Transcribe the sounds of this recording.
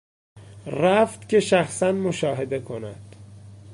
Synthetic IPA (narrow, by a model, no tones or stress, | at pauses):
ræft̪cʰe̞ʃæxsænmoʃɒːɦe̞d̪e̞kʰonæd̪̥